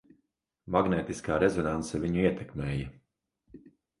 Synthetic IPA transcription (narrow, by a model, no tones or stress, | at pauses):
maɡneːt̪iskaːɾezɔnant̪sɛviɲuiɛt̪ɛkmeːjɐ